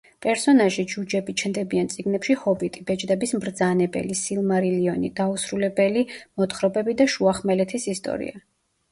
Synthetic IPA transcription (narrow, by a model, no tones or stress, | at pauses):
pʼɛɾsɔnaʒid͡ʒud͡ʒɛbit͡ʃʰnd̪ɛbiant̪sʼiɡnɛpʃihɔbit̪ʼibɛt͡ʃʼd̪ɛbismɾd̪zanɛbɛ̰lisilˠmaɾiliɔnid̪ausɾulɛbɛlimɔt̪χɾɔbɛbid̪aʃuaχmɛlɛt̪ʰisist̪ʼɔ̰ɾḭa